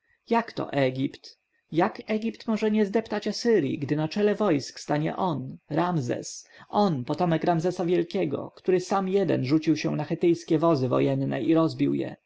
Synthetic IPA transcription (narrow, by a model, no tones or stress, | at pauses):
jakt̪ɔ̰ʔɛɡʲipt̪ | jakɛɡʲipt̪mɔʐɛɲɛzd̪ɛpt̪at͡ɕasɘɾjḭɡd̪ɘnat͡ʂɛlɛvɔjskst̪aɲɛ̰ʔɔnɾamzɛ̰sɔnpɔt̪ɔmɛkɾamzɛsavʲjɛlkʲɛɡɔ̰kt̪uɾɘsamjɛd̪ɛ̰nʐut͡ɕiwɕɛnaxɛt̪ɘjskʲɛvɔzɘvɔ̰jɛnːɛ̰ʔiɾɔzbʲiwjɛ̰